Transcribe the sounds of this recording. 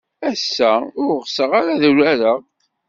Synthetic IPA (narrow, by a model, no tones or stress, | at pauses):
æsːæʊɾʁsəʁaɾaðuɾæɾəʁ